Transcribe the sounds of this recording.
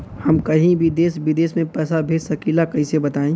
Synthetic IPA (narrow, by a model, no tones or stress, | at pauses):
hɐmkɐɦĩbʱid̪eːsbɪd̪eːsmẽpɛːsabʱeːsɐkiːlakɐɦĩsebɐt̪aːẽː